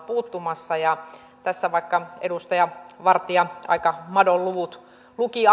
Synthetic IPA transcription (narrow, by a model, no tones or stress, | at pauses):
puːt̪ːumɑsːɑjɑ | t̪æsːæʋɑikːɑḛdust̪ɑjɑʋɑrt̪iɑɑ̰ikɑmɑdolluʋut̪ | luki